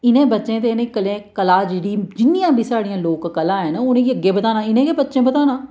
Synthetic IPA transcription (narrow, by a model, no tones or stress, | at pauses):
ɪnẽːbətːʃẽːt̪̬enẽːkəlẽːkəlaːd͡ʒeːɽiːd͡ʒɪnːijãːbʱiːsaːɽijãːloːkːəlãːɦɛːnʊnẽːɡiəɡːeːbət̪aːnãːɪnẽːkebətːʃẽːbət̪aːnãː